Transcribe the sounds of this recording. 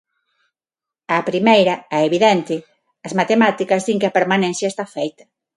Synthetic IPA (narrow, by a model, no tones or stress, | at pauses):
ɐːpɾimejɾɐɛeβiðɛnt̪ɪ | ɐzmat̪emat̪ikɐzðiŋkɪɐpeɾmanɛ̃n̟θjɐest̪afejt̪ɐ̥